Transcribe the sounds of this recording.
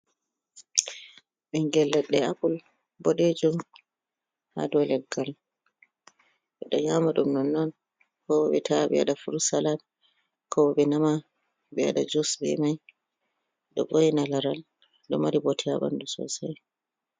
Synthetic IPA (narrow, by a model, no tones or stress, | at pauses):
ɓɛŋɡɛlːɛɗːɛakul | bɔɗed͡ʒum | ha̰dɔlɛɡːal | ɓɛɗɔɲamaɗumnɔnːɔn | kɔwɔɓɛtʰaɓɛ̰a̰ɗafuɾsalat̚ | kɔwɔɓɛnama | bɛa̰ɗad͡ʒusbɛ̰maj | ɗɔ̰bojinalaɾal | ɗɔmaɾibɔtʰɛaɓa̰ndusɔ̰saj